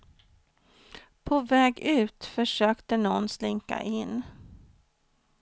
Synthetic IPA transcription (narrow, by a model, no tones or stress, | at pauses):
pʰɔvɛːɡʉ̟ːt̪fœʂøːkt̪ənɔnslɪŋka̰ʔɪnː